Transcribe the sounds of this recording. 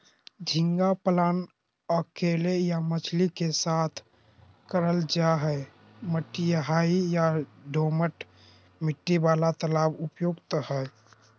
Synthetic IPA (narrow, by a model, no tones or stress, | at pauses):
d͡ʒʱiŋɡapəlan | əkelejamət͡ʃʰlikesat̪ʰ | kəɾəld͡ʒaɦɛe | məʈːijəɦaijaɖʱoməʈ | miʈːibalat̪əlabupjoɡt̪əhə